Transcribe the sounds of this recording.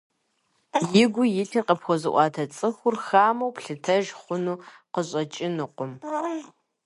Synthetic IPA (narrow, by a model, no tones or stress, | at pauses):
jɪɡʷʊjɪɬʰiːqəpxʷɔzɨ̰ʔʷɑːtʰɐt͡sʼɨxʷʊrxaːmɐwpʰɬɨtʰɐʒχʷʊnuːqəɕʼɐt͡ʃʼɪnɨqʷʊm